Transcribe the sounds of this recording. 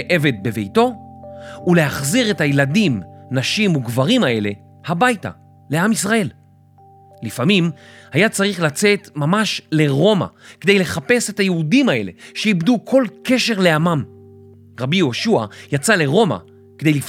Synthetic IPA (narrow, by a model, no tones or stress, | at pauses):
ʔe̞ve̞d̚be̞vejto̞ | ule̞aχziʁe̞tajeladimnaʃimuɡvaʁimae̞le̞ | habajta̰ | le̞amisʁae̞l | lifamimhajat͡saʁiχlat͡se̞tmamaʃle̞ʁo̞ma̰kede̞jle̞χape̞se̞thajeudimae̞le̞̰ʃeibdukʰo̞lke̞ʃe̞ʁle̞amam | ʁabijo̞ʃua̰jat͡sale̞ʁo̞ma̰ | kede̞jlif